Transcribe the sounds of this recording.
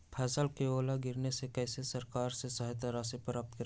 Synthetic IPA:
pʰɛːsəlkeoːlaɡɪɾnesekɛːsesɐɾkaːɾsesɐɦt̪aɾaːsipɾaːp̚t̪kɐɾ

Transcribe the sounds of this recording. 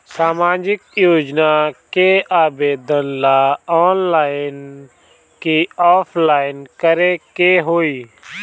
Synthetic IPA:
saːmaːd͡ʒɪkjoːd͡ʒnakeaːbeːd̪ənlaɔːnlaːɪn | kiɔːpʰlaːɪnkəɾekeɦoːiː

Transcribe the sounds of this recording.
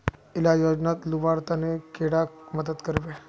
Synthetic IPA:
ilajod͡ʑnat̪luʋaɽt̪anekeɽakməd̪ət̪kəɾʋe

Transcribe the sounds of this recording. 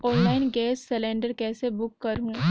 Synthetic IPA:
ɔːnlaːɪnɡɛːsːɛlẽːɳɖəɾkɛːsebʊkːɐɾɦũː

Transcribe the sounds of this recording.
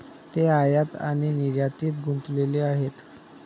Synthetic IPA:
t̪eajat̪a̰ɽ̃iniɾjat̪iːt̪ɡunt̪leleaɦet̪

